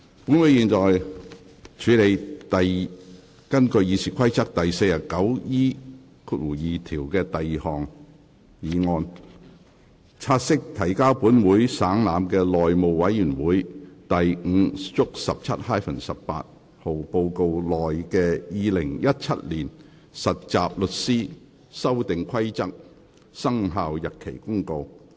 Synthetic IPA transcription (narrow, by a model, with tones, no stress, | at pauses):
pu˨˥nwu˨˥jiː˨˧nt͡ʃɔː˨j | t͡ʃʰyː˨˥le˨˧jt̪ɐ˨j | kɐ˥nkɵ˧ɥjiː˨˧siː˨kʷʰɐ˥jt͡sʰɐ˥k̚t̪ɐ˨jse˧jjɐ˨˩kɐ˨˥wjiː˥ | kʰu˧t̚wu˨˩jiː˨t̪ʰiː˨˩wkɛː˧t̪ɐ˨ji˨hɔː˨˩ŋ | jiː˨˧ŋɔː˧n | t͡sʰaː˧t̚sɪ˥k̚t̪ʰɐ˨˩jkaː˥wpuː˨˥nwuː˨˥jsaː˨˥ŋlaː˨˧mkɛː˧lɔː˨jmo˨wwɐ˨˥jyː˨˩nwuː˨˥jt̪ɐ˨jŋ̩˨˧t͡sʊ˥k̚sɐ˨p̚t͡sʰɐ˥t̚haː˥jfɐ˨˩nsɐ˨ppa̰ː˧t̚ | ho˨wpo˧wko˧wlɔː˨jkɛː˧jiː˨˧lɪ˨˩ŋjɐ˥t̚t͡sʰɐ˥t̚liː˨˩n | sɐ˨t̚t͡saː˨p̚lɵ˨t̚siː˥ | sɐ˥wt̪ɪ˨ŋkʰwɐ˥jt͡sɐ˥k̚ | sɐ˥ŋɦaː˨˧wjɐ˨t̚kʰe˨˩jkʊ˥ŋko˧w